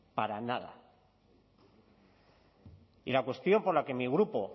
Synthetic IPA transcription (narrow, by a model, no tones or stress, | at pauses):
paɾanað̞a̰ | ilakwe̞st̪jo̞mpo̞ɾlake̞miɣ̞ɾupo̞